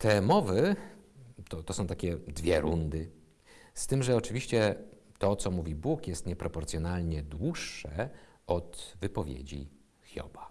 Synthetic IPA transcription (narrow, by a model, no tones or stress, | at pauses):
t̪ɛmɔvɘ | t̪ɔt̪ɔsɔ̃w̃t̪akʲɛd̪vʲjɛɾund̪ɘ | st̪ɘmʐɛɔt͡ʂɘvʲiɕt͡ɕɛt̪ɔt̪sɔmuvʲibukjɛst̪ɲɛpɾɔpɔɾt̪sʲjɔnalɲɛd̪wuʂːɛ | ɔt̪vɘpɔvʲjḛd͡ʑḭ | xʲjɔ̰ba